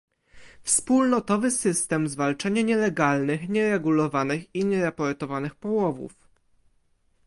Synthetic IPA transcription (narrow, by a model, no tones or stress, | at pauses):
fspulnɔt̪ɔvɘsɘst̪ɛmzvalt͡ʂaɲaɲɛlɛɡalnɘxɲɛɾɛɡulɔvanɘxiɲɛɾapɔɾt̪ɔvanɘxpɔwɔvṵf